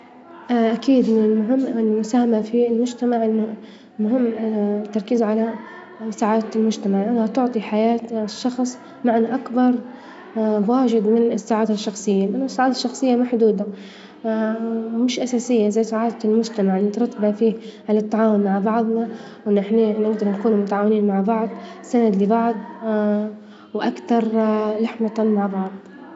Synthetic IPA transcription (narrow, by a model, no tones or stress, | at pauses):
ʔakiːd̪mɪnɪlmʊɦɪmːɪlmʊsaːhamafilmʊd͡ʒt̪amaʕʔɪnːʊ | mʊɦɪmːt̪ːɑɾˤkiːzʕala | saːʕaːd̪lmʊd͡ʒt̪amaʕlʔanːhat̪ʊʕt̪ˤiħajaːt̪ʃːɑxsˤ | maʕnaʔakbɑɾˤ | waːʒɪd̪mɪnɪsːaːʕaːd̪aʃːɑxsˤɨjːalʔanːʊsːaːʕaːd̪aʃːɑxsˤɨjːamaħd̪uːd̪a | mɪʃʔasaːsɪjːazajːsaʕaːt̪lmʊd͡ʒt̪amaʕɪlnɪt̪ɾˤɑt̪ːabafiːhʕalat̪ːaʕaːwʊnmaʕbɑʕd̪ˤnɑ | wʔɪnːɪħninɪɡ̚d̪ɑɾˤnakuːnumʊt̪aʕaːwɪniːnmaʕbɑʕd̪ˤsanad̪lɪbɑʕd̪ˤ | wʔakt̪ɑɾˤlaħmat̪amaʕbɑʕd̪ˤ